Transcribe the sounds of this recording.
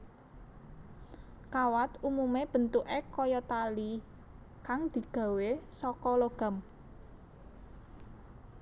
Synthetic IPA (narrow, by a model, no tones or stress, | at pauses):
kawat̪umumeb̥ə̤nt̪uʔekɔjɔt̪ali | kaŋd̪̥i̤ɡ̥ä̤wesɔkɔloɡ̥a̤m